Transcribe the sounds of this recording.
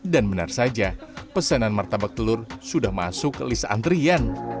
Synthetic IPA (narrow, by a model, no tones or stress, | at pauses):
danbəna̰rsad͡ʒapəsananmart̪abak̚t̪əlʊrsudahma̰sʊklisaa̰nt̪ɾian